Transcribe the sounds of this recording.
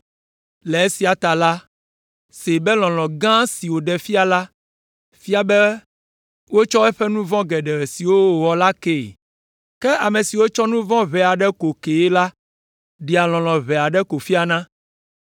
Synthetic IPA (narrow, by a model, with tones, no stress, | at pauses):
lɛ˨e˦si˨˦a˨t̪a˨la˦ | se˨bɛ˦lɔ̃˨lɔ̃˨ɡã˦si˨wo˨ɖɛ˨fi˦a˨la˦ | fi˦a˦˨bɛ˦ | wo˦t͡ʃɔ˦ɛ˦ɸɛ˦nũ˦vɔ̃˦ɡɛ˨ɖɛ˨ɾɛ˨si˨wo˦˨wɔ˨la˦ke˨ | kɛ˦ʔa˨mẽ˨si˨wo˦t͡ʃɔ˦nũ˦vɔ̃˦βɛ˨a˨ɖɛ˦ko˨ke˨e˦la˦ | ɖi˨a˨l̃ɔ̃˨lɔ̃˨βɛ˨a˨ɖɛ˦ko˨fi˦a˨nã˦